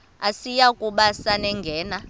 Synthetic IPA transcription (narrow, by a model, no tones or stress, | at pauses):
asijakʼuɓasanɛŋɡʱɛːna